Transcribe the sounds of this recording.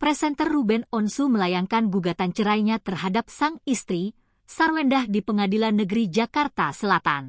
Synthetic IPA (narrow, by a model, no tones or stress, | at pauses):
pɾɛsɛnt̪ərːubɛnɔnsuməlajaŋkanɡuɡat̪ant͡ʃəɾajɲat̪ərɦadap̚saŋist̪ɾi | sarwɛndahdipəŋadilanːəɡəɾid͡ʒakart̪asəlat̪a̰n